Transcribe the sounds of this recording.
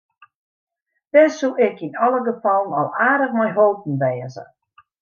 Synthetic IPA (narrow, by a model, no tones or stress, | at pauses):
d̥ɛsuʔɪkinɔlˠəɡəfɔlˠənɔ̰lˠaːdəxmɛjɦolˠp̚n̩ʋɛːəzə̰